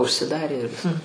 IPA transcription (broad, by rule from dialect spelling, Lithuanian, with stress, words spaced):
ʊʃʲsʲɪˈdɑːrʲeː ɪr ˈʋʲɪskɐ